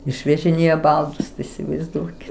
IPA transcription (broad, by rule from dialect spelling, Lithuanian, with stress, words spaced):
ɪʃʲʋʲɛʒʲɪˈnʲeːjɛ ˈbɐlˠdʊs tɐɪ ɪsʲɪʋɐɪzˈduɔkʲɪ